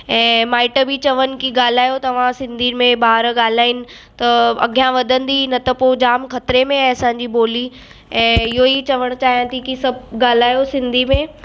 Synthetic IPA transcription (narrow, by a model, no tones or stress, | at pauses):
ɛ̃ːmaːɪʈbit͡ɕɐʋənɪ̆kiɡaːl̤aːjot̪ɐʋ̤ãsɪ̃nd̪ʱimẽbaːɾɡaːl̤aːinɪ̆ | t̪ɐɐ̰ɡʱjãʋɐd̪ʱə̃nd̪inɐt̪ɐpoːd͡ʑaːmkɐt̪ɾemẽɐsãːɲd͡ʑiboːli | ɛ̃ːɪɦoit͡ɕɐʋəɽ̃t͡ɕaːɦijãːt̪ʰikisɐbʱɡaːl̤aːjosɪ̃nd̪ʱimẽ